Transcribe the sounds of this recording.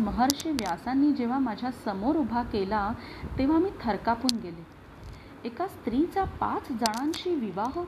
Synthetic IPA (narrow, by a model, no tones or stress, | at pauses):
məɦəɾɕeʋjasanːiːd͡ʑeʋ̤amad͡ʑʱjasəmoɾubʱakelat̪eʋ̤amiːt̪ʰəɾkapuːnɡele | ekast̪ɾit͡sapat͡sd͡zəɽ̃ãnɕiːʋiʋaɦ